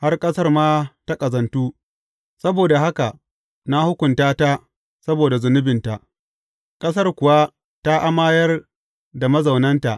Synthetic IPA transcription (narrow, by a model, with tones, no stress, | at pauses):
ha˦rkʼɐ˦sɐ˦rmaː˦ta˦kʼɐ˨zɐ˨ntuː˦ | sɐ˦boː˨da˨ɦa˦ka˨ | na˦hʊ˦kʷʊ˨ntaː˦ta˦ | sɐ˦boː˨da˨zʊ˨nʊ˦bɪ˨nta˨ʔ | kʼɐ˦s̬ɐ˦rkʷʊ˨wa˦ | ta˦ʔa˦maː˦jɐ˦r | da˨mɐ˦za˨wnɐ˦nta̰˨ʔ